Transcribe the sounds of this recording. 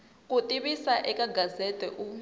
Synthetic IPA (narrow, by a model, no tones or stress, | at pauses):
kʼutʼiɓisaʔɛkʼaɡʱazɛtʼɛʔu